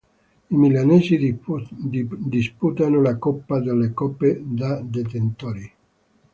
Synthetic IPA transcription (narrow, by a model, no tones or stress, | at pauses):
imilaneːzi | d̪isput̪anolakɔpːad̪elːekɔpːed̪ad̪et̪ent̪oɾi